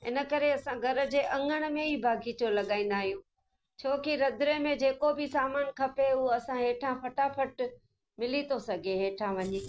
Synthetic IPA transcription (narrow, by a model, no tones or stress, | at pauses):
ɪ̰nə̆kɐɾeɐsãɡʱɐɾə̆d͡ʑeːʔɐ̃ŋɡəɽ̃̆mẽiːbʱaːɡʱit͡ɕolɐɠaːĩːn̆d̪aːɦijũː | t͡ɕʰoːkiɾɐd̪ʱɾemẽd͡ʑeːkobʱɪsaːmaːnkʰɐpeʊɦoɐsãɦeːʈʰãfʰɐʈapʰɐʈ | mɪlit̪ʰosɐɡʱeɦeːʈʰãʋɐɲeː